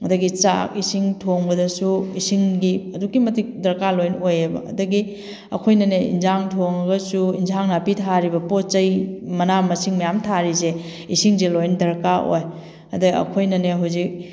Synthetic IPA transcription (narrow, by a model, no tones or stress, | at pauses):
ɐdɐɡit͡ʃa̰kisiŋtʰoŋbɐdɐsuisiŋɡiɐdukːimɐtik̚dɐɾkalojnojebɐ̰ɐ̰dɐɡi | ɐ̰kʰojnɐneḭnzaŋtʰoŋɐɡɐsuinzaŋnapitʰaɾibɐpot͡ʃɐjmɐnamɐsiŋmɐjamtʰaɾize | isiŋzelojndɐɾkaʔo̰j | ɐ̰dɐɡiɐ̰kʰojnɐneɦawzik̚